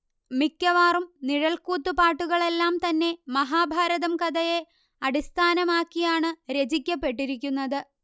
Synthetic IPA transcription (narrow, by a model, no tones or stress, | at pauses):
mikʲːɐʋaːrumniɻɐlkuːt̪ːupaːʈːuɣɐɭe̞lːaːmt̪ɐnːe̞mɐɦaːbʱaːɾɐðɐmkɐd̪ɐje̞ | ɐɽist̪ʰaːnɐmaːkːijaːɳɨɾe̞d͡ʑikʲːɐpːe̞ʈ̬ːiɾik̬ʲːunːɐðɨ